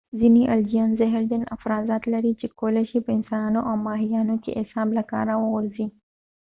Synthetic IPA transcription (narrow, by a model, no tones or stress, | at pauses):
ziniʔɐld͡ʒijaːnzɐɦɪɾd̪ɐnɐ̰fɾaːzaːt̪lɐɾit͡ʃekoːleʃipəɪnsanoʔawmaːɦijaːnokḛʔɪsaːblɐka̰ːɾawəɣʊɾzi